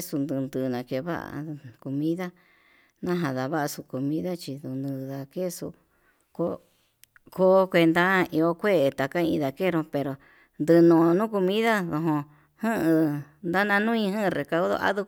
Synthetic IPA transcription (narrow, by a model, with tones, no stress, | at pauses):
su˧nd̪ɨ˧nd̪ɨ˨nã˨ke˧βa̰˦ʔa̰˧ko˧mĩ˦ða˦ | nã˦ɦã˧ða˨βa˦ʔa˧su˧ko˧mĩ˦ða˦t͡ʃi˧ðu˧nɨ̃˧ða˨ke˦su˧ | ko˧ | ko˦kʷe˧nd̪a˦i˧o˦kʷe˦e˨t̪a˨ka˦ḭ̃˧ða˧˨ke˦˧ɾõ˧pe˧ɾo˨ | nd̪ɨ˧nõ˨˧nũ˦ko˧mĩ˦ða˦ðo˧ɦõ˧ | hɨ̃˦ʔɨ̃˧ | nd̪a˦nã˧nũ˦ĩ˧ɦɨ̃˦ʔre˨˧ka˧wðo̰˦˧ʔa̰˦ðu˧